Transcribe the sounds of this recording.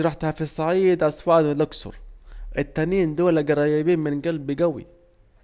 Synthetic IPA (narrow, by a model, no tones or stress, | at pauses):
ɾˤɑħt̪hafisˤɑʕiːd̪ʔɑsˤwɑːʔd̪lʊksʊ̰ɾˤʔɪt̪ːaniːnd̪oːlaɡɑɾˤɑːjabiːnmɪnɡalbiɡawḭ